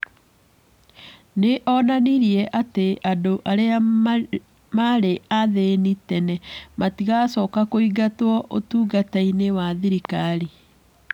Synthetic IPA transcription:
neʔɔnaniɾiɛʔateʔadoʔaɾea | maɾeaðenitɛnɛmatiɣasɔkakoiɡatwɔʔotuːɡatainewaðiɾikaɾi

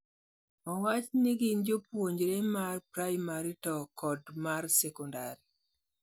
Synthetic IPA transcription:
ɔwat͡ʃniɡɪnd͡ʒopwoɲd͡ʒɾemarpɾajmaɾitɔkɔdmarsɛkɔndaɾi

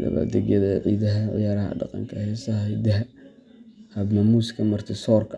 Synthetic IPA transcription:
lɐ̰βa̰d̪ɛɣjɐðɐʕḭːd̪ɐɦɐʕɪ̰jaːɾɐɦɐ̰ɖɑ̰qɑ̰ŋkʰɐhɛːsɐɦhɛd̪ɐɦɐ | hɐbmɐmuːskʰɐmɐrt̪ʰɪsɔːrkʰ

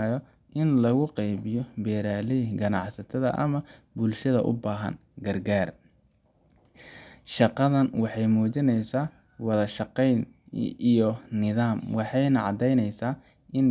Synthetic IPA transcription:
jɔ | ʔɪnlɐɣʊqɛjβɪjɔbɛːɾaːlɪɡɐnɑ̰ħsɐt̪ʰɐðɐ̰ʔɐ̰mɐ | bʊlʃɐðɐʔʊ̰baːɦɐ̰n | ɡɐrɡaːr | ʃɑqɑðɐnwɑħɑjmuːt͡ʃɪnɛjsaː | wɑðɐʃɑqɛjnijɔnɪðaːmwɑħɑjnɐʕɑd̪ɛjnɛjsaː | ʔɪn

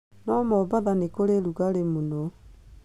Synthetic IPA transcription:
nɔmɔbaðanekoɾeɾuɣaɾemunɔ

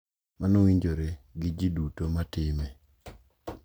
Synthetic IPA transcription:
manowiɲd͡ʒoɾeɡɪd͡ʒidutomatɪme

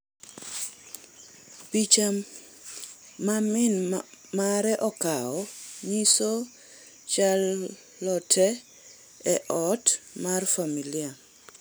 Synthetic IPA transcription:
pit͡ʃa | mamɪnmaɾɛʔɔkaɔɲiso | t͡ʃalː | ɔtʰɛ | ɛʔɔtmarfamilia

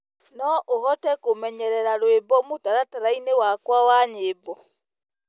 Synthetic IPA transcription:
nɔʔoɣɔtɛkomɛɲɛɾɛɾaɾwebɔmotaɾataɾainewakwawaɲebɔ

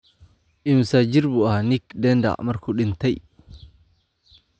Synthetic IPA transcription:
ʔɪmsad͡ʒiɾbuanikdɛnda̰mɐɾkʰuɗɪnt̪aj

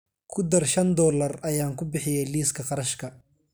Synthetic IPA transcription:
kʰʊd̪ɐrʃɐnd̪ɔːlɐrɐjaːŋkʰʊbɪħɪjɛjliːskʰɐqɑɾɐʃkʰɐ

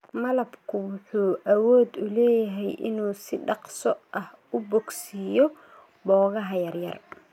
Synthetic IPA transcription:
mɐlɐbkʰʊwʊħuːʔɐwɔːd̪ʊlɛːjɐɦɛjʔɪ̰nuːsɪɖɑqsɔʔɐh | ʊbɔɡsijɔ | bɔːɣɐɦɐjɐrjɐ̰r

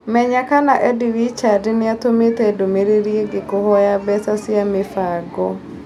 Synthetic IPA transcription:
mɛɲakanaʔɛdiɾit͡ʃadɪnɪat̪omet̪edomeɾiɾieɡɪkʊhɔjabɛsasɪamɪfaɡɔ

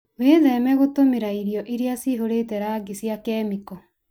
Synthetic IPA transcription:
weːðɛmɛɣotomeɾaiɾjɔʔiɾeasiɦoɾetɛɾaːɡesjakɛmikɔ

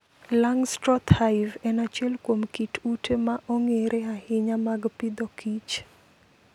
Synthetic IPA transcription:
laŋstɾɔt̪haɪvɛnat͡ʃɛlkwomkitutemaʔoŋeɾʔeahɪɲamaɡpɪd̪ɔkʰit͡ʃ

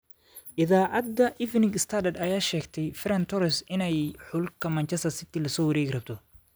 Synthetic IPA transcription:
ʔɪðaːʔɐd̪ɐʔɪfnɪŋɡɪst̪ʰɐd̪ɐd̪ɐjaːʃɛːɡt̪ʰɛjfɪɾɐnt̪ʰɔɾɛsɪnɛjħʊlkʰɐmɐnt͡ʃʰɐst̪ɐsɪt̪ilɐsɔːwɐɾɛːɡɪrɐb̚t̪ʰɔ

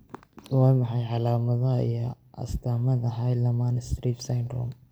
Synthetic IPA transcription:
wɑːmɑħɑjʕɑlaːmɐðɐɦḭjɔ | ʔɐ̰st̪ʰaːmɐðɐɦɐjlɐmaːnɪst̪ɾiːfsajnd̪ɾɔ̰m

